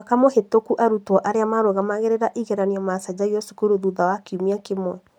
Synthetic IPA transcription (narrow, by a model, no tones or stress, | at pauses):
akamohetokuʔaɾutwɔʔaɾeamaɾoɣamaɣeɾeɾaʔiɣeɾaniɔmasad͡ʑaiɔsu̥kuɾoðuðawakiumiakemwɛ